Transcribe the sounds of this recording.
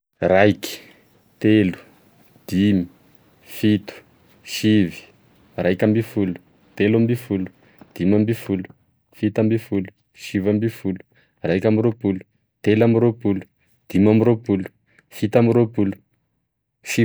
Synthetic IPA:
rajki̥ | t̪elu̥ | d̪̥imi | fit̪u̥ | ʃivi̥ | rajkambifulu̥ | t̪elambifulu̥ | d̪̥imambifulu̥ | fit̪ambifulu̥ | ʃivambifulu̥ | rajkʲamiropulu̥ | t̪elamiɾopulu̥ | d̪̥imamiɾopulu̥ | fit̪amiɾopulu̥ | fi

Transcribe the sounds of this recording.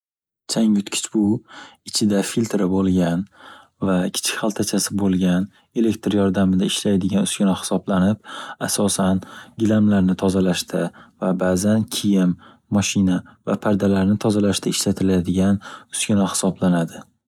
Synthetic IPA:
t͡ʃʰaŋjʊt̪kʲʰɪ̥t͡ʃbʊɪt͡ʃʰɪd̪afilt̪ɾabolˠɡʲan | vakʲʰɪ̥t͡ʃʰɪ̥kʲhalˠt̪ʰat͡ʃʰasɪbolˠɡʲan | e̞le̞kt̪ɾjɒɾd̪amɪd̪aɪʃlajd̪ɪɡʲanʊ̥skʲɪnɒhɪ̥sɒblanɪp̚asɒsanɡʲɪlamlaɾnɪt̪ʰɒzalaʃt̪ʰavabaːzankʲʰijɪmː | ɒʃɪnava̰pʰaɾd̪alaɾnɪt̪ʰɒzalaʃt̪ʰaɪʃlat̪ʰɪlad̪ɪɡʲanʊskʲɪnahɪ̥sɒblanad̪ɪ

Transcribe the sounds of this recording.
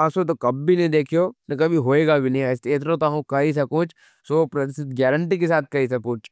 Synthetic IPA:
ɐsot̪okɐbːʱinɐĩd̪eːkʰijonɐkɐbʱiɦoːeːɡabʱinɐɦĩɐst̪eːt̪̬ɾõt̪aɦõkɐis̬ɐkʊt͡ʃʰ | sopɾɐt̪sɪt̪ɡɛːɾəɳʈikesaːt̪̚ʰkɐisɐkuːt͡ʃ

